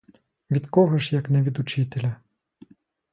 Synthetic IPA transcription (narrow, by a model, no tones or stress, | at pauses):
ʋʲid̪kɔɦɔʃjɐknɛʋʲid̪ut͡ʃit̪elʲɐ